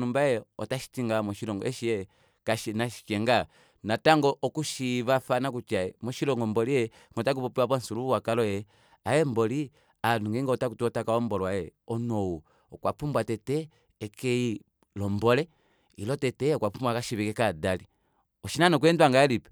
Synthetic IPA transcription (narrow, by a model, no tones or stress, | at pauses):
numbajɛɔtaʃi̥tiŋɡamɔʃilɔŋɡɔ̰ʔɛʃiɛ | kaʃinaʃi̥t͡ʃɛŋɡa | nataŋɡɔʔɔkuʃiβafanak̬ut͡ʃaɛmɔʃilɔŋɡɔmbɔliɛ | ŋɔtak̬upɔpuapɔnsuluwakalɔjɛ | ajɛmbɔli | anuŋɡɛŋɡɔtakutuɔtakaɔmbɔlwajɛɔnɔwu | ɔkwapumbwatɛtɛː | kɛi | lɔmbɔlɛ | ḭlɔtɛtɛɔkwapumbwakaʃiβikɛkadali | ɔʃinanɔkuɛndwaŋɡaɛlipɛ